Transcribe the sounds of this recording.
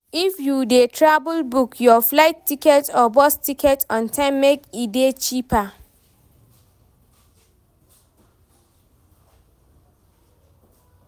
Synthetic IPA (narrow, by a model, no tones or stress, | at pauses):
ifjudetʰɹabulbukjɔflaɪtːikɛtɔbɔstikʰɛtɔ̃ntʰãɪ̃mːekidet͡ʃipa